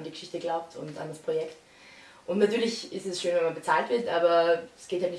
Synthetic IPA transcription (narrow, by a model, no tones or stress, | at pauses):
ndiɡə̥ʃɪçtəɡlaʊp̚tʰʊ̰nta̰ndaspʁ̥ojɛkt | ʔʊntnatyːɐlɪçɪstɛsʃøːnvɛnmanbət͡saːltv̥ɪɐtʔaːbɐɛsɡ̥eːthaltnɪ